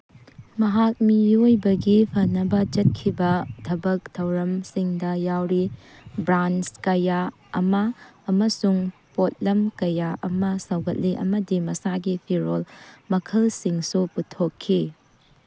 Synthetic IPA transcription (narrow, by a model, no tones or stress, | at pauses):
mɐɦak̚mijojbɐɡipʰɐnɐbɐd͡ʒɐt̚kʰːibɐtʰɐbɐk̚tʰɐwɾɐmsiŋdɐjawɾi | bɾanskɐja | ɐmɐːmɐsuŋ | pot̚lɐmkɐjaʔɐmɐsɐwɡɐt̚liʔɐ̰mɐdimɐsaɡipʰiɾolmɐkʰɐlsiŋsuputʰːokʰːi